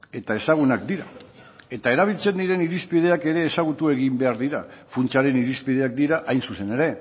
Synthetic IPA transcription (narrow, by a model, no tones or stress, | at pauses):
e̞t̪ae̞saɣ̞unak̚d̪iɾa | e̞t̪ae̞ɾaβ̞ilt͡se̞nd̪iɾe̞niɾispið̞e̞ake̞ɾe̞ːsaɣut̪ue̞ɣimbe̞aɾðiɾafunt͡saɾe̞niɾispið̞e̞ak̚d̪iɾaʔajnsusene̞ɾe̞